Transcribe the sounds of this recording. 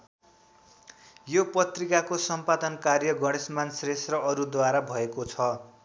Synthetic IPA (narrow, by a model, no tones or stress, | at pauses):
jopʌt̪rikakosʌmpad̪ʌnkarjʌɡʌɽ̃esmansrest̪rʌʔʌɾud̪waɾabʱʌekot͡sʰʌ